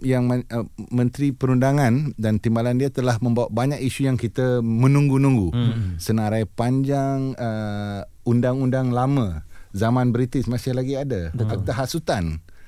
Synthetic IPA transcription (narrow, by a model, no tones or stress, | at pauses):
jaŋmmə̃nt̪ɾipəɾundaŋãndant̪imbalandiat̪əlahmə̃mbawaʔ̚baɲak̚iʃujaŋkit̪əmə̃nũŋɡunũŋɡusənãɾajpaɲd͡ʒaŋə | undaŋundaŋlamə̃zamãnbɾit̪ɪsmãsɪhlaɡiadaak̚t̪aɦaʔsut̪an